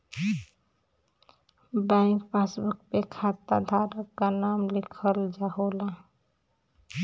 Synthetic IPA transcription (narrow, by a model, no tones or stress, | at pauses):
baɪ̃ŋkpasbuk̚pekʰat̪a̰d̪ʱaɾəkːanaːmlɪkʰəld͡ʒaɦola